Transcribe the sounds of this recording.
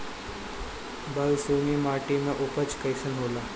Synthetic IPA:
bəlsumimaʈimeʔupət͡skəjsənɦola

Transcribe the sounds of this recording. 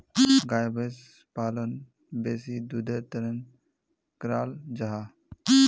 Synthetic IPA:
ɡaːjbes | paːlon | beːsid̪ud̪eɾt̪ɐɾən | kɾaːld͡ʒaɦa

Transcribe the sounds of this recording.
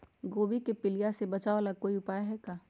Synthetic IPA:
ɡoːbikepɪlijasebɐt͡ʃaːolaɡ̚koːiʊpaːeɦɛkaː

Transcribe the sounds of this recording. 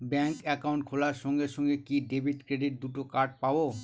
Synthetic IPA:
bɛŋkɛkawɳʈkʰolaɾʃɔŋɡeɾʃɔŋɡekiɖebʱiʈkɾeɖiʈ̚d̪uʈokaɾʈ̚pabo

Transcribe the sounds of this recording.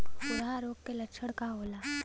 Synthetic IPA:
sʊɽɦaɾoːɡ̚kelɐkʃʰəɽkaɦoːlaː

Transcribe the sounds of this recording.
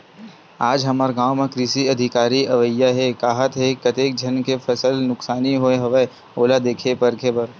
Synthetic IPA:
aːd͡ʒɦɐmaɾɡaːwmẽkɾisiɐd̪ʱɪkaːɾiɐʋəjaɦɛkaːɦət̪ɦekɐt̪eːk̚d͡ʒʱɐnkefʰɐsəlnʊksaːniɦoeɦɐʋə | oːlad̪eːkʰepɐɾkʰebɐɾ

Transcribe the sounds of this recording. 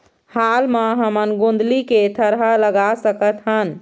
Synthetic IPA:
halməɦəmənɡõnd̪liket̪ʰəɾɦaləɡasəkət̪ɦən

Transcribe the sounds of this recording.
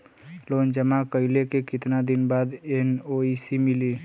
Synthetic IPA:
lond͡ʒəmakəilekekit̪nad̪inbad̪enoisimili

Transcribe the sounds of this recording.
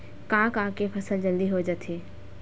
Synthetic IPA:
kãːkãːkepʰɐsəld͡ʒəld̪iɦod͡ʒət̪ʰeː

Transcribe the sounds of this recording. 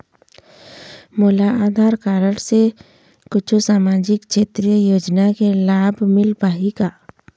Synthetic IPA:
moːlaaːd̪ʱaːɾkaːɾəɽse | kʊt͡ʃʰusaːmaːd͡ʒɪkt͡ʃʰeːt̪ɾijəjoːd͡ʒnakelaːbʱmɪlpaːɦikaː

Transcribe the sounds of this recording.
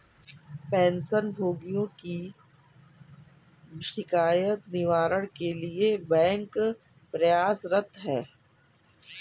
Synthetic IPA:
pɛ̃ːnsənbʱoːɡijõki | ʃɪkaːjət̪nɪʋaːɾəɽ̃keliebɛ̃ːŋk | pɾɐjaːsɾɐt̪ʰɦɛː

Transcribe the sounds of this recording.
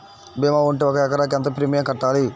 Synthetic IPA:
beːmaːuɳʈeɔkɐɛkɐɾaːk̬ɐnt̪ɐpɾimijɐŋkɐʈːaːli

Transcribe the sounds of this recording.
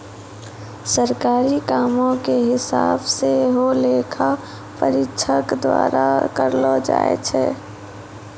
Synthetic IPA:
səɾkaːɾikaːmõkeɦɪsa̰ːbseɦoleːkʰa | pəɾɪkʃʰəkd̪wa̰ːɾakəɾlod͡ʒa̰ːḛt͡ʃʰɛ̰ː

